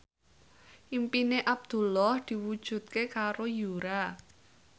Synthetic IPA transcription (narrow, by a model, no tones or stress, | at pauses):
ʔimpineʔab̚d̪̥ṳlɔhd̪̥i̤wud̥ʒ̥ṳt̪̚kekaɾojuɾa